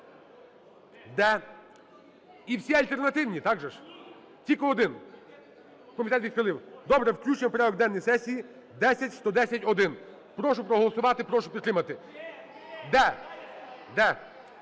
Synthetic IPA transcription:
d̪ɛ | iwsʲiɐlʲt̪ernɐt̪ɪwnʲit̪ɑɡʒɛʃ | tʲikɔɔd̪ɪn | kɔmʲit̪ɛt̪ʋʲid̪xɐlˠɪwd̪ɔbɾɛwklʲut͡ʃempɾɛɔɡ̚d̪ɛnːɔjsɛsʲiji | d̪ɛsʲɐtʲst̪ɔd̪ɛsʲɐtʲɔd̪ɪn | pɾɔʃʊpɾɔɦɔlˠɔsʊʋɑt̪ɪpɾɔʃʊpʲid̪t̪ɾɪmɐt̪ɪ | d̪ɛ | d̪ɛ

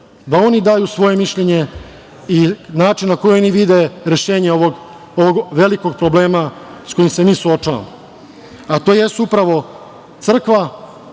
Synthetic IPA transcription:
d̪ao̞nid̪aːjusʋo̞je̞miʃʎeɲe̞ | inaːt͡ʃinnako̞jooniʋid̪e̞ɾe̞ʃeːɲeooɡ | oʋoɡʋe̞liko̞ɡ̚pɾo̞ble̞ːmasko̞jimse̞miːsuo̞t͡ʃaʋa̰mo | at̪o̞ːje̞st̪upɾaʋo̞ | t̪sr̩kʋa

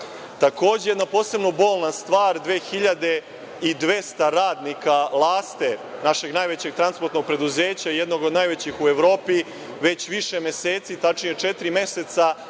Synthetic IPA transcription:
t̪ako̞ːd͡ʑejed̪napo̞ːse̞bno̞bo̞ːlˠnast̪ʋaːɾd̪ʋeːxiʎad̪e̞ | id̪ʋe̞st̪aɾaːd̪nikalˠaːst̪enaʃe̞ɡnajʋet͡ɕeɡ̚t̪ɾanspoɾt̪noɡ̚pɾe̞d̪uzeːt͡ɕaijed̪no̞ɡo̞d̪najʋet͡ɕixueʋɾo̞ːpi | ʋe̞t͡ɕʋiʃemeseːt̪sit̪at͡ʃnijet͡ʂet̪ɾime̞set̪sa

